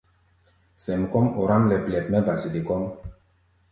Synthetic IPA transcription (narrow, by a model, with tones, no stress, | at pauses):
sɛ˨mkɔ˦mɔ˨ɾa˦mlɛ˨plʲɛ˨pmɛ˦ba˨si˨d̪i˨kɔ˦m